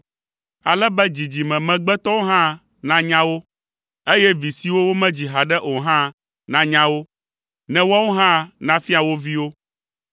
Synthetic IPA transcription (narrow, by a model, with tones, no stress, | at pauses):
a˨lɛ˦bɛ˦d͡ʑi˨d͡ʑi˨mɛ̃˨mɛ̃˨ɡ͡bɛ˦t̪ɔ˦wo˦ɦã˦ | nã˦ɲã˦wo˦ | e˦jɛ˦vi˨si˨wo˦wo˦mɛ̃˦d͡ʑi˨ɦa˨ɖɛ˦ʔo˨ɦã˦ | nã˦ɲã˦wo˦ | nɛ̃˦wa˦wo˦ɦã˦nã˦fi˦a˨wo˦vi˦wo˦